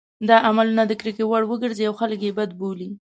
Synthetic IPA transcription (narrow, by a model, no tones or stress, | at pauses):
d̪ɑʔamalunad̪əkɾikewaɽwəɡəɾziawxaləkjebad̪̚boli